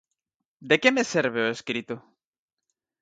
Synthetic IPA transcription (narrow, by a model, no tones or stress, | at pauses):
d̪e̞kemeseɾβeoeskɾit̪o